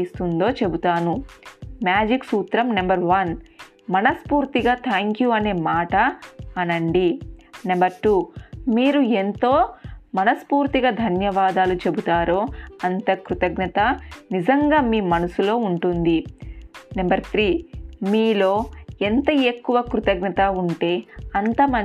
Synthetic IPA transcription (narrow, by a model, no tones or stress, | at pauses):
ist̪und̪o̞ːt͡ʃe̞but̪aːnumjaːd͡ʒiksuːt̪ɾɐmnɐmbɐɾʋɐn | mɐnɐspuːɾt̪iɡaːt̪ʰaːŋkjuɐne̞ːmaːʈɐːnɐɳɖinɐmbɐɾʈuːmiːɾue̞nt̪o̞ːmɐnɐspuːɾt̪iɡaːd̪ʱɐnjɐʋaːd̪aːlut͡ʃe̞but̪aːɾoːɐnt̪ɐkɾut̪ɐɡnɐt̪ɐnizɐŋɡaːmiːmɐnɐsulo̞ːuɳʈund̪i | nɐmbɐɾt̪ʰɾiːmiːlo̞ːent̪ɐe̞kːuʋɐkɾut̪ɐɡnɐt̪auɳʈe̞ːɐnt̪ɐmɐ